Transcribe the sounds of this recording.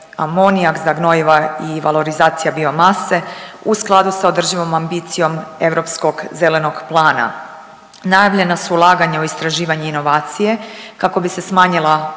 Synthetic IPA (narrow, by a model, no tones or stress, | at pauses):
a̰moniaɡzaɡno̞iʋaiʋalˠo̞ɾizaːt̪sijabiomase̞usklˠad̪usaod̪r̩ʒiʋo̞mambiːt̪sijo̞me̞ʋɾo̞psko̞ɡze̞le̞noɡplˠaːna̰ | najaʋʎʲe̞nasuːlˠaːɡaɲaoist̪ɾaʒiːʋaɲeino̞ʋaːt̪sije̞kako̞bise̞smaːɲilˠa